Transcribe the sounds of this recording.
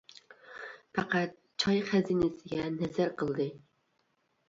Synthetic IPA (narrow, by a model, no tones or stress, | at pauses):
pɑqæt̪̚ | t͡ʃʰɑjχæzinɪsɪɡʲɛnɛzæɾqʰəlˠd̪ɨ